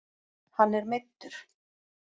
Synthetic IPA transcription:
hanːɛɾmet̪ːʏɾ̥

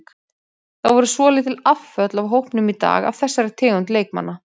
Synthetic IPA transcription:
θavɔɾʏsvɔːlɪt̪ʰɪlafːœt̪lavɦowhpnʏmit̪a̰ːɣa̰vθɛsːaɾɪɾ̥t̪ʰɪːɣʏnt̪leːjk̚ma̰nːa

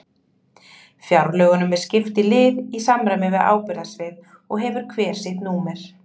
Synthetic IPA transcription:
fjawɾlœːɣʏnʏmɛð̥scɪft̪ɪlɪːðisamɾajmɪvɪða̰ːwpɪɾðasvɪːð | ɔɣɦɛvʏɾ̥kʰvɛːɾ̥sɪt̪nuːmɛɾ̥

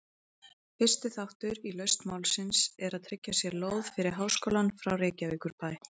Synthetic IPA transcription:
fɪrst̪ɪθawht̪ʏɾilœɥst̪mawlsɪnsɛɾaðt̪ʰɾɪcːasjɛɾloːwð̥fɪɾɪɾ̥ɦawskoːlanfɾawreːcaviːkʏɾpaːj

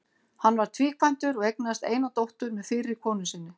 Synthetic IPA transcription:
hanːvaɾ̥t̪ʰviːkʰvajn̥t̪ʏɾɔɣejk̚nast̪ḛːjnawt̪owht̪ʏɾmɛðfɪːɾɪɾ̥kʰɔːnʏsɪnːʏ

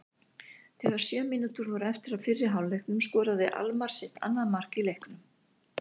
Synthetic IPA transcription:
θɛɣaɾ̥sjœːmɪːnut̪ʏɾvɔɾʏɛft̪ɪɾaðfɪrːɪ̥ɦaːwlejhknʏmskɔːɾaðɪʔa̰lmaɾ̥sɪht̪a̰nːaðmar̥kilejhknʏm

